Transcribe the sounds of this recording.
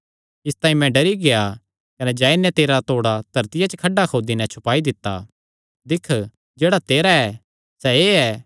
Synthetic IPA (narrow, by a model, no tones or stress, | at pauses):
ɪst̪ãːĩmɛ̃ɖɐɾiɡea | kɐnɛd͡ʒaːinːɛ̃t̪eːɾat̪oːɽat̪ɐɾt̪ɪjat͡ʃəkʰɐɖːakʰoːd̪inɛ̃t͡ʃʰʊpaːid̪ɪt̪ːa̰ | d̪ɪkʰ | d͡ʒeːɽat̪eːɾaɛ | sɛeːɛː